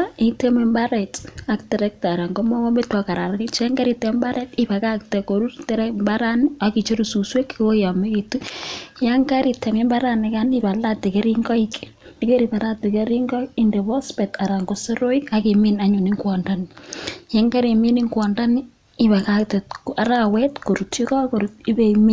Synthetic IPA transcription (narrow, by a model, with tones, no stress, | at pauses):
i˦te˦me˦mba˦ɾɛ˨ta˦ktɛ˨ɾɛ˦k̚ta˨ɾa˨ŋɡo˦mɔ˦kɔ˦mbe˦twa˨ka˨ɾa˨ɾkɪt͡ʃɛ˦ŋɡa˦ɾi˨tɛmba˦ɾɛ˦tɪ˦pa˨ka˦k̚tɛ˨ko˨ɾu˦ɾte˦ɾɛmba˦ɾa˦ni˦aki˨t͡ʃo˦ɾu˨su˨swe˦kiko˦ja˨me˦ki˨tu˦ja˦ŋɡa˦ɾi˨tɛ˨mi˦mba˦ɾa˦nɪ˨ka˦nɪ˦ba˨la˦te˨ke˦ɾi˦ŋɡɔ˦ik | dike˦ɾi˨ba˨ɾa˦te˨ke˦ɾi˦ŋɡɔ˦i˦nde˨bɔ˦spɛ˨ta˨ɾa˨ŋɡo˨so˦ɾo˦i˦ka˦ki˨mina˦ɲu˨ni˦ŋɡwɔ˨nda˦nɪ˨jɛ˦ŋɡa˦ɾe˨mi˦ni˦ŋɡwɔ˨nda˦nɪ˦ | ɪ˦ba˨ka˦k̚tɛ˨tka˨ɾa˦wɛ˦tko˨ɾu˨ti˦kɔ˦ko˨ɾuti˦be˦imi˦